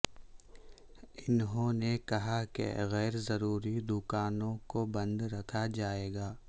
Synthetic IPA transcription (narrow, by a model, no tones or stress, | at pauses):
ɪnɦõnekɐɦakḛɣɛːɾzɐɾuːɾid̪ʊkaːnõkobɐ̃nd̪ɾɐkʰad͡ʒaːeːɡaː